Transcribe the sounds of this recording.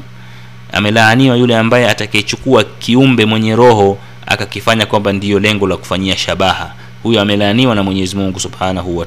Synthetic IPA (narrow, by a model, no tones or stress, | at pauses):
a̰mɛlaːniwajulɛambajɛatakait͡ʃukuakiumbɛmwɛɲɛɾɔɦɔ | a̰kakifaɲakwambandiɔlɛŋɡɔlaku̥faɲiaʃaɓaha̰ | hujɔamɛlaːniwanamwɛɲɛːzimuŋɡusubhanahuwa